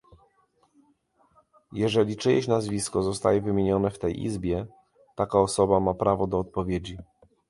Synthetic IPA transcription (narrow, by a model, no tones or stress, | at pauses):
jɛʐɛlʲit͡ʂɘjɛ̰ɕnazvʲiskɔzɔst̪a̰jɛvɘmʲjeɲɔnɛft̪ɛjʔḭzbʲjɛ | t̪akaɔsɔbamapɾavɔd̪ɔːt̪̚pɔvʲjed͡ʑi